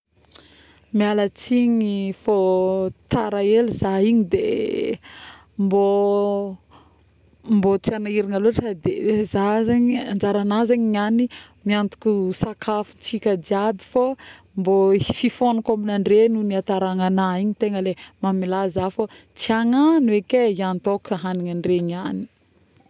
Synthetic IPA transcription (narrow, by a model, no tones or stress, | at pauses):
mialət͡siɲifot̪aɾaelizaiɲid̪e | mbo | mbot͡sianaiɾiŋaloʈ͡ʂəd̪ezazaɲiand͡ʒaɾanazaɲiɲani | miant̪u̥kʲusakʰafunt͡sikʲəd̪iabifo | mbofifonukaminaɳɖ͡ʐenuniat̪aɾaŋanaiɲit̪eŋəlemamilazafot͡siaŋanwekeiant̪okʰaɦaniŋaɳɖ͡ʐeɲiani̥